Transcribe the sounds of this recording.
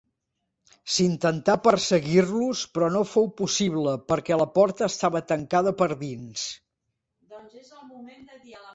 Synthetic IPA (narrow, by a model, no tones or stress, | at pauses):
sint̪ənt̪apərsəɣiɾluspɾɔnofowpusiβləpəɾkɛləpɔɾt̪əːst̪aβət̪əŋkaðəpəɾðins